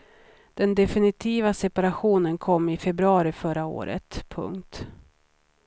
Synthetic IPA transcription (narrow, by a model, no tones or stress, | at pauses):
d̪̥ɛnd̪ɛfɪnɪt̪ʰiːvasɛpaɾaɧuːnənkʰɔmːɪfɛbɾɵɑːɾɪfœɾao̰ːɾə̰t̪pʰɵ̰ŋkt̪